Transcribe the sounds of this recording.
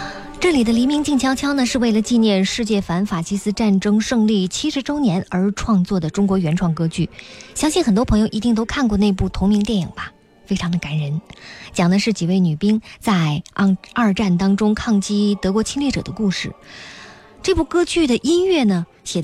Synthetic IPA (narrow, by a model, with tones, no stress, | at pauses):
ʈ͡ʂɤ˥˩li˨˩d̪ə˦li˧˥mi˧˥ŋt͡ɕi˥˩ŋt͡ɕʰjɑ˥ʊt͡ɕʰjɑ˥nə˨ʂɻ̩˥˧we˥˩ɪlə˩t͡ɕi˥˧njɛ˥˧nʂɻ̩˥˧t͡ɕjɛ˥˩fa˧˥nfa˨˩t͡ɕʰi˥sɹ̩˥ʈ͡ʂa˥˩nʈ͡ʂɤ˥ŋʂɤ˥˧ŋli˥˩t͡ɕʰi˥ʂɻ̩˧˥ʈ͡ʂo˥ʊnjɛ˧˥nə˞˧˥ʈ͡ʂʰwɑ˥˧ŋt͡swɔ˥˩d̪ə˩ʈ͡ʂʊ˥ŋkwɔ˧˥ɥɛ˧˥nʈ͡ʂʰwɑ˥˩ŋkɤ˥t͡ɕy˥˩ɕjɑ˥ŋɕi˥˩nxə˨˩nt̪wɔ˥pʰɤ˧˥ŋjo˧ʊʔi˧˥i˥˩ŋt̪̬o˥ʊkʰa˥˧nkwɔ˥˧ne˥˧ɪpu˥˩t̪ʰʊ˧˥ŋmi˧˥ŋt̪jɛ˥˩nḭ˨˩ŋbɐ˦ | fe˥ɪʈ͡ʂʰɑ˧˥ŋd̪ə˧ka˧˩nɻə˧˥nt͡ɕjɑ˨˩ŋd̪ə˦ʂɻ̩˥˩t͡ɕi˨˩we˥˩ɪny˨˩pi˥ŋt͡sa˥˧ɪ˧ə˞˥˧ʈ͡ʂa˥˩nt̪ɑ˥ŋʈ͡ʂʊ˥ŋkʰɑ˥˩ŋt͡ɕi˥t̪ɤ˧˥kwɔ˧˥t͡ɕʰi˥ŋlɛ˥˩ʈ͡ʂɤ̰˨˩d̪ə˦ku˥˧ʂɻ̩˥˩ | ʈ͡ʂɤ˥˧pu˥˩kɤ˥t͡ɕy˥˩d̪ə˩ʔi˥nɥɛ˥˩nə˩ | ɕjɛ˨˩